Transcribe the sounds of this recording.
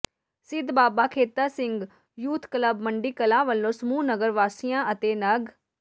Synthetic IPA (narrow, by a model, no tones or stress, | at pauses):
sɪd̪baːbaːkʰeːt̪aːsɪ̃ŋɡ | juːt̪ʰkləbməɳɖiːkəlãːʋəlːõːsəmuːnəɡəɾʋaːsijãːət̪eːnəɡ